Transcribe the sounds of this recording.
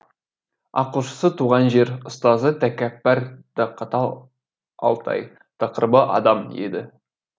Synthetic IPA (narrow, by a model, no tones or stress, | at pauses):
ɑ̰qulʃə̥sət̪ʰuʁɑnʒe̞ɾʊst̪ɑzət̪ʰækʲæpːæɾd̪̥ɑqʰɑt̪ɑ | ɑ̰lˠt̪ʰɑ̰j | t̪ʰɑqəɾbəʔɑ̰d̪ɑmjḛd̪ɪ